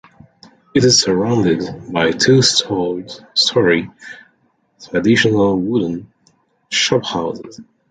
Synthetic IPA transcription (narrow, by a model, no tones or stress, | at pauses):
ɨɾɨz̥sə˞ãʊ̃ndɪdbaɪtʰʉsɔstʰɔɹi | tʰɹ̥ɨdɪʃənəl̩ˠwʊdən̩ | ʃɑphaʊzɪ̰z̥